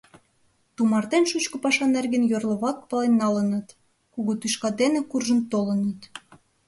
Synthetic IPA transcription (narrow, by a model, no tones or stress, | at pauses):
t̪umɑrt̪enʃut͡ɕkŏpɑʃɑnerɣənjørlə̆βɑk̚pɑlenːɑlənə̆t̪ | kuɣot̪yʃkɑd̪enekurʒə̆nt̪olə̆nət̪